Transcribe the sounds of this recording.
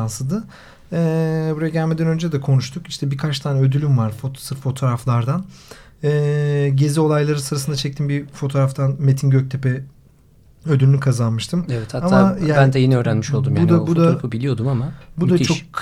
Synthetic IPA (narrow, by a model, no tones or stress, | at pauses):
ansɯd̪ɯ | ɛːbuɾajaɟælʲmed̪ɛnø̞nd͡ʒɛd̪ɛkʰo̞nuʃt̪ʰukiʃt̪ʰɛbikʰat͡ʃt̪ʰaːnɛød̪ylʲymvaɾfot̪sɯɾfo̞t̪ʰo̞ːɾaflˠaɾd̪an | ɛːɟe̞zio̞lˠajlˠaɾɯsɯɾasɯnd̪at͡ʃʰɛc̚t̪ʰinbifo̞t̪ʰo̞ːɾaft̪ʰanmet̪ʰinɟøc̚t̪ʰe̞pɛ | ød̪ylʲynykʰazanmɯʃt̪ʰɯmevɛt̪haamajabænd̪ɛjenɛø̞ːɾænmiʃo̞lˠd̪umjaunbud̪aɾpɯbilʲijo̞d̪umamabud̪at͡ʃʰo̞k